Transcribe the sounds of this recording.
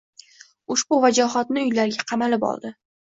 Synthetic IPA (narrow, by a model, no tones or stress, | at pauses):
ʊʃbʊvad͡ʒɒɦɒt̪̚nɪʊjlaɾɡʲaqʰɑmalɪpɒ̰lˠd̪ɪ